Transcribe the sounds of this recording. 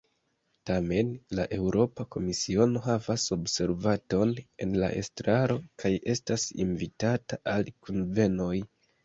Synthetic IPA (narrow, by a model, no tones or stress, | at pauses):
tame̞nlaʔe̞wɾo̞pako̞misio̞no̞ɦavaso̞bse̞ɾvato̞ne̞̰nla̰ʔe̞̰stɾaɾo̞kʰaje̞stasḭnvitataʔalkunve̞no̞j